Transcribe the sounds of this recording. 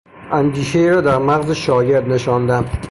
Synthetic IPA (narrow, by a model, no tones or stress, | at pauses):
anɡ̪ʲiʃejɾad̪aɾmaʁzɪʃɒːɡʲɪɾd̪̚nɪʃɒnd̪an